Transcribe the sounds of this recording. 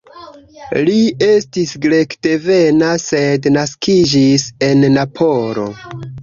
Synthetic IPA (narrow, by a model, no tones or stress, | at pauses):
lie̞stisɡɾe̞kde̞ve̞nase̞dnaskʰid͡ʒise̞nːapʰo̞ɾo̞̰